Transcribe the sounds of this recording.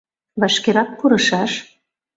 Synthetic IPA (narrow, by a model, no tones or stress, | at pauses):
βɑʃkeɾɑk̚kuɾɤ̆ʃɑʃ